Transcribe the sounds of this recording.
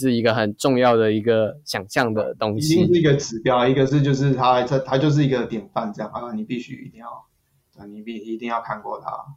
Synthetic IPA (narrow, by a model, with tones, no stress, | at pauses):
ʂɻ̩˥˩i˧˦˥ɡə˨xə˨˩nʈ͡ʂʊ˥˧ŋjɑ˥˩ʊd̪ə˩i˧˥ɡə˨ɕjɑ˨˩ŋɕjɑ˥˩ŋd̪ə̰˩t̪o˦˥ŋɕii˥ŋʂɻ̩˥˩i˧˦˥ɡə˧ʈ͡ʂɻ̩˨˩˦pjɑ˨˩ʊi˧˥ɡə˨ʂ̬ɻ̩˥˧t͡ɕjo˥˧ʊʂ̬ɻ̩˥˩t̪ʰa˦˥ə˥˧t̪ʰa˥t͡ɕjo˥˧ʊʂ̬ɻ̩˥˩i˧˦˥ɡə˧t̪jɛ˨˩nfa˥˨nʈ͡ʂɤ˥˧jŋa˨˧˩a˥˩ni˨˩pi˥˩ɕy̰˧˥ḭ˧˥t̪i˥˧ŋjɑ˥˩ʊ | ə˥˩ni˨˩pi˥˩i˧t̪i˥˧ŋjɑ˥˩ʊkʰa˧nkwɔ̰˥˩t̪ʰa̰˦